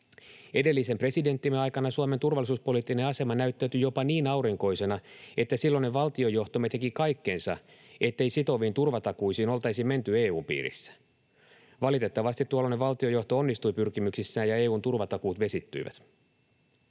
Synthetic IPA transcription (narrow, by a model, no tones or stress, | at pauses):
e̞de̞lːise̞mpre̞side̞nt̪ːimeɑjkɑnɑsuɑme̞nt̪urʋɑlːˑisuːspo̞liːt̪ːine̞ɑse̞mɑnæyt̪ːæyt̪yjo̞pɑniːnɑuɾiŋko̞jse̞nɑe̞t̪ːæsilːo̞nːe̞ʋɑlt̪iojo̞ht̪omet̪ekikɑjkːe̞nsɑ̰ | e̞t̪ːe̞jsit̪o̞ʋiːnt̪urʋɑt̪ɑkuijsiːno̞lt̪ɑjsime̞nt̪ye̞ːuːmpḭːɾḭsːæ̥ | ʋɑlit̪e̞t̪ːɑʋɑst̪it̪ːuolːoneʋɑlt̪io̞jo̞ht̪oo̞nːist̪ujpyrkimyksisːæːjɑe̞ːuːnt̪urʋɑt̪ɑkuːt̪ʋe̞sit̪ːy̰jʋæ̰t̪